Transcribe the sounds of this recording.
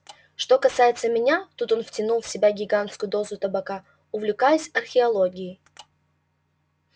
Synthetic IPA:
ʂt̪o̞kɐsajɪt̪səmʲɪnʲat̪ut̪o̞nftʲɪnulˠfsʲɪbʲaɡʲɪɡant̪skʊjʊd̪o̞zʊt̪əbɐka | ʊvlʲɪkajʊsʲɐrxʲɪɐlˠoɡʲɪɪ

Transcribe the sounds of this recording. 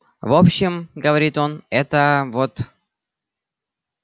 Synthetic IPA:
vopɕːɪmɡəvɐɾʲit̪o̞nɛt̪əvot̪

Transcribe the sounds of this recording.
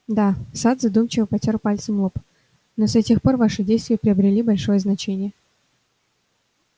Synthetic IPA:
d̪asat̪zɐd̪umt͡ɕɪvəpɐtʲorpalʲt̪səmop | nosɐtʲexpo̞rvaʂɨdʲejst̪vʲɪjəpɾʲɪəbɾʲɪlʲibɐlʲʂo̞jəznɐt͡ɕenʲɪjə

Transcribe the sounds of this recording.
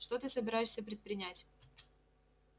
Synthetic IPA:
ʂt̪ot̪ɨsəbʲɪɾajɪʂsʲəpɾʲɪt̪̚pɾʲɪnʲætʲ

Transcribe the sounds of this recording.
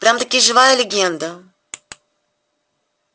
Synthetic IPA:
pɾʲamt̪ɐkʲiʒɨvaɛlʲeɡʲɛnd̪ə

